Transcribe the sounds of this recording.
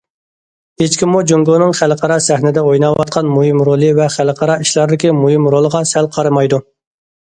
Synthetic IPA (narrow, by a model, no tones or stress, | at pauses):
het͡ʃkʲimːud͡ʒøŋɡonɨŋχælqʰɑɾɑsɛhnɪd̪ɛojnɑwɑt̪̚qʰɑnmuhɨmɾolˠɨvɛχælqʰɑɾɑiʃlˠɑɾd̪ɪkʲimujɪmɾolˠəʁɑsælqʰɑɾɨmɑjd̪u